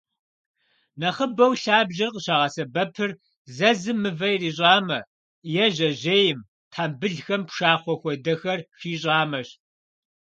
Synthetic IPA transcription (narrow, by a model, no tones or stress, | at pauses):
nɐχəbɐwɬaːbʑɐrqəɕaːʁɐsɐbɐpʰɨr | zɐzɨmːɨvɐjriːɕ̬ʼaːmɐ | jɛʑɐʑeːjɪm | tʰaːmbɨɮxɐmpʂaːχʷɔxʷɔdɐxɐrʂiːɕʼɑːmɐɕ